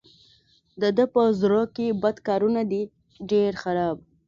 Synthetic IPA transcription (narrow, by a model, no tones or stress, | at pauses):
d̪əd̪əpəzɾokebad̪kɑɾunad̪i | ɖeɾxaɾɑb